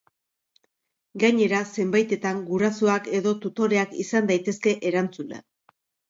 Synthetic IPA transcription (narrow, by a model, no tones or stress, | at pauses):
ɡaɲe̞ɾase̞mbajt̪e̞t̪aŋɡuɾasuake̞ðo̞t̪ut̪o̞ɾe̞akisand̪ajt̪e̞ske̞ʔeɾant͡sulḛ